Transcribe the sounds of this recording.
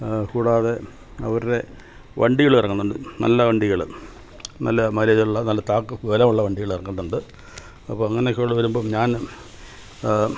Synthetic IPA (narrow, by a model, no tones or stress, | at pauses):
kuːɽaːðe̞ | ɐ̰ʋɐɾɾe̞ | ʋʔɐ̰ɳɖiɣɐɭirɐŋːunːuɳɖɨnɐ̰lːɐʋɐɳɖiɣɐɭɨ̰ | nɐ̰lːɐmɐɾiðɐuɭːɐnɐlːɐt̪aːkːɨʋelɐmuɭːɐʋɐɳɖiɣɐɭirɐŋːunɐuɳɖɨ | ɐpːoːɐŋːɐneokːeoɭːɐʋɐɾumbomɲaːn